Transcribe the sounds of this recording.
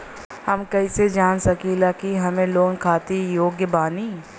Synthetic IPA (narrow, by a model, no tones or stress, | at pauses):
hɐmkɐised͡ʒaːnsɐkilakiɦɐmẽloːɡkʰaːt̪ijoːɡjəbaːniː